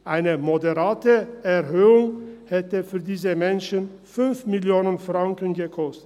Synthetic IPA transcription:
ʔaɪnəmodəʁaːtəɛʁɦøːʊŋhɛtəfyːɐdiːzəmɛnʃən | fʏnfmɪljoːnənfʁ̥aŋkən̩ɡəkʰɔstət

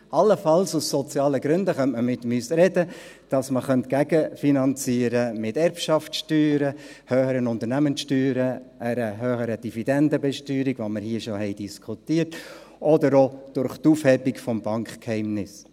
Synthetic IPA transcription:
ɑlːəfɑlsusːɔt͡sjɑːləɡɾʉndəχœntməmɪtːəmyːsɾɛdə | d̥ɑsməχœntɡ̥æɡəfinɑnt͡siːəɾəmɪtɛɾpʃɑftʃtyːɾə | høːχəɾənʊnt̪əɾnæmənsʃtyːɾəəɾəɦøːχəɾəd̥ivid̥ɛndəbɛʃtyːɾiɡʋoməɾhiːʃoɦɛɪd̥iskʰχutiːət | ʔɔdəɾod̥ʊɾχtuːfhɛbikfɔmbɑŋkkhɛɪmnɪs

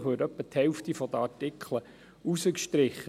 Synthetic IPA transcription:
χʋøːɾœpːəthɛlft̪ifɔd̪əɑɹtɪkχlə | usəkʃtɾɪχːə

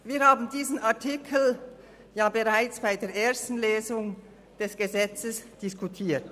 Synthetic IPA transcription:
viːɐɾhaːbn̩diːzn̩aɐtʰɪkʰl̩ | jaːbeʁaɪt͡sb̥aɪdeːɐʔeːɐstn̩leːzʊŋ | d̥ɛsɡ̥əzɛt͡səsd̥ɪskutʰiːt

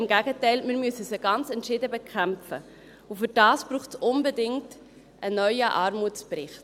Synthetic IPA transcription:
mɡæɡətɛɪlmɪɾmysəsəɡɑnt͡sɛntʃɪdəbɛkʰæmfə | ufʏɾdɑːsb̥ɾuːχtsʊnbɛdɪŋt | ʔənœʏəʔɑːɾmutt͡spɾɪχt

